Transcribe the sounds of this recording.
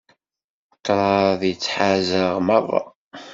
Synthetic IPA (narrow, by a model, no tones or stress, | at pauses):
qːɾˤɑðjət͡sːħazəʁmərˤːɑ̰